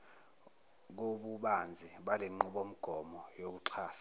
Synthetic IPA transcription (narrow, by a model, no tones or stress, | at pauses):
k̬oɓuɓand͡zʱiɓaleŋ͡ǃuɓom̩ɡ̥ʱɔmɔjok̬uǀʰaːsḁ